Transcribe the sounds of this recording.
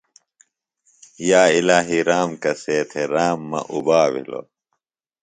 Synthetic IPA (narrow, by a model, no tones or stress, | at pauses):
jaːilaːɦiɾaːmkɐseːt̪ʰeɾaːmːɐ̰ʔubaːbʱḭlo̰